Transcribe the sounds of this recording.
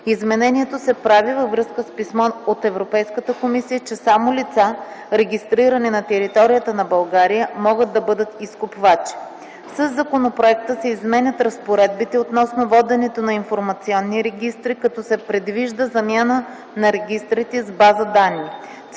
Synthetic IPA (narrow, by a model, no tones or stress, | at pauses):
izmɛnɛnʲiɛt̪osɛpɾavivəvɾɤskəspismɔot̪ɛvɾopɛjskət̪əkomisijət͡ʃɛsamolit̪saɾɛɡʲist̪ɾiɾɐninɐt̪ɛɾit̪ɔɾijət̪ənɐbɐlˠɡaɾijəmɔɡəd̪̚d̪ːɐbɤd̪ət̪iskopvat͡ʃi̥ | səzːɐkonopɾoɛk̚t̪əsɛizmɛnʲət̪ɾɐspoɾɛd̪̚bit̪ɛot̪nɔsnovɔd̪ɛnɛt̪onɐinfoɾmɐt̪siɔnːiɾɛɡʲist̪ɾikɐt̪ɔsɛpɾɛd̪viʒd̪əzɐmʲjanə | nɐɾɛɡ̟ʲist̪ɾit̪ɛzbazəd̪anːi